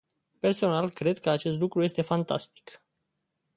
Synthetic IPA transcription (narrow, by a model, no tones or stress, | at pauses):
pe̞rso̞nalkɾe̞d̪kəat͡ʃe̞s̬t̪lukɾujest̪e̞fant̪a̰st̪i̥k